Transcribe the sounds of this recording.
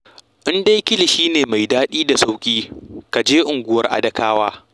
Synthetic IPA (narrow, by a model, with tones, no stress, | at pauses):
ʔɪ˦nda˦jkʲɪ˦lɪ˨ʃiː˦neː˨ma˨jdaː˦ɗiː˦da˨sa˦wkʲʼiː˦ka˨d͡ʒeː˦ʔʊ˨ŋɡʷʊ˦wɐ˦rʔa̰˦dɐ˦kaː˦waː˦